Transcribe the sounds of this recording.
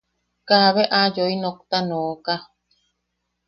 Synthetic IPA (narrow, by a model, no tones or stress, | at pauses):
kaβeʔajoinok̚t̪anoːka